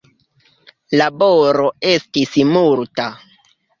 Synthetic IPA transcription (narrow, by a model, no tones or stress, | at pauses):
laboɾoe̞stismulta